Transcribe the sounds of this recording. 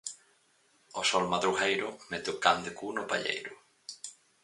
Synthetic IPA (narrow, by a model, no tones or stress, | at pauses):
osɔlmaðɾuɣejɾʊmɛt̪ʊkand̪ekunʊpaʎḛjɾʊ